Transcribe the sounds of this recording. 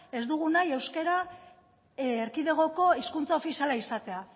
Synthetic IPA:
e̞zd̪uɣ̞unaje̞wske̞ɾa | eɾkiðe̞ɣo̞ko̞iskunt͡sao̞fisialaisat̪e̞a

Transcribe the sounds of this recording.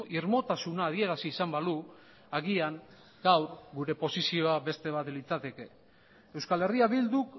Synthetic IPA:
ʔiɾmo̞t̪asunaːð̞ie̞ɾasiːsambalu | aɣiaŋ | ɡawrɡuɾe̞po̞sisio̞abe̞st̪e̞β̞at̪lit͡sat̪e̞ke̞ | ewskale̞riaβild̪uk

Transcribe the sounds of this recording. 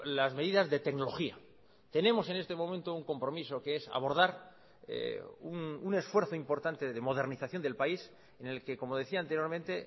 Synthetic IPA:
lazme̞ðiðazðe̞t̪ekno̞loxia̰ | t̪e̞nẽ̞mo̞se̞ne̞st̪e̞mo̞mẽnt̪ouŋko̞mpɾo̞miso̞keesa̰βo̞ɾð̞aɾ | ḛunune̞sfwe̞ɾθoimpo̞ɾt̪ant̪eðe̞mo̞ð̞eɾniθaθjo̞nd̪e̞lpais | ene̞lke̞ko̞mo̞ð̞e̞θiaːnt̪eɾjo̞ɾmẽnt̪e̞

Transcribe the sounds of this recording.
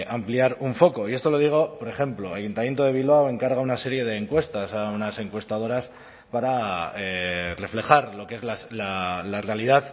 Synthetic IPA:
ʔampliaɾuɱfo̞ko̞ie̞st̪o̞lo̞ðiɣ̞o̞po̞ɾe̞xe̞mploajunt̪amje̞nt̪oðe̞β̞ilβawe̞ŋkaɾɣaunase̞ɾje̞ð̞e̞ːŋkwe̞st̪asaunase̞ŋkwe̞st̪að̞o̞ɾas | paɾaere̞fle̞xaɾlo̞kee̞zlaslalare̞alið̞að

